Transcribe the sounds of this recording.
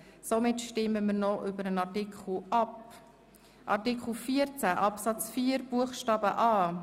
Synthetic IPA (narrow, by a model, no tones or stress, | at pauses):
somɪtʃtɪmːəməɾnɔʔʏbəɾənɑrtikχl̩ʔɑp | ʔɑ̰ɾtikχl̩fiːəɾt͡sæʔɑpsɑt͡sfiːəɾb̥uəχʃtɑːbəʔɑː